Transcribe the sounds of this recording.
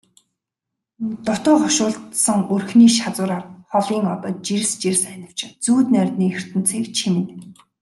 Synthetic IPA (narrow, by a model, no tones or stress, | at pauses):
t̪ʊt̪ʊːχɔʃʊːɮt̪sə̆ŋɵrxniːʃat͡sʊːɾarχɔɮiːŋɔt̪ɔ̆ːt̪̚t͡ɕir̆st͡ɕirsænʲə̆w̥t͡ɕt͡suːt̪nærʲt̪niːxɵr̥t̪ɘ̆n̥t͡sʰiːkt͡ɕʰimɘ̆n